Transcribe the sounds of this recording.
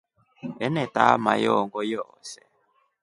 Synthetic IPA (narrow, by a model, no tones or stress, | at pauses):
ɛnɛtamajɔːŋɡɔjɔːsɛ